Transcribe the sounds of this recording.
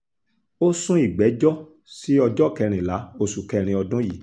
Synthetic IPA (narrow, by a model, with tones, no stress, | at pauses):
o˦sũ˦i˦˨ɡ͡bɛ˨˦d͡ʒɔ˦ | si˦ɔ˧d͡ʒɔ˦˨kɛ˧ɾ̃ĩ˨la˨˦o˦˨su˨kɛ˧ɾ̃ĩ˧ɔ˧dũ˦ji˦˨